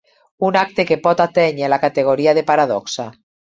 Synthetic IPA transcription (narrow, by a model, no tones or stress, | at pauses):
unak̚t̪ekepɔt̪at̪eɲelakat̪eɣ̞oɾiaðepaɾaðɔksa